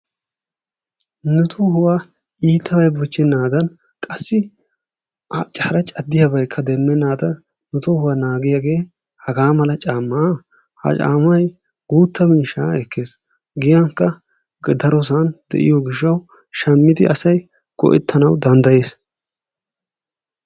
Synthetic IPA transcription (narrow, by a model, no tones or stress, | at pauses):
nʊt̪ʰʊhʊwa | iːt̪ʰːɐbɐjbʊt͡ʃːɛnaːd̪ɐn | kʼɐsːɪ | t͡ʃʼɐhɐɾɐt͡ʃʼɐd̪ːɪjabɐjkʰːɐd̪ɛmːɛnaːd̪ɐ | nʊt̪ʊhʊwanaːɡɪjaɡe̞ː | hɐɡaːmɐlɐt͡ʃʼaːmːa | hɐ̰t͡ʃʼa̰ːmːɐj | ɡuːt̪ːɐmiːʃaːɛkːeːs | ɡɪjɐŋkːɐ | ɡd̪ɐɾɔs̬and̪̥ɛ̰ʔɪ̰jɔɡɪʃ̬ːɐw | ʃɐmːɪd̪ɪɐsɐj | ɡ̥ɔ̰ʔɛ̰t̪ʰːɐnɐwd̪ɐnd̪ɐjeːs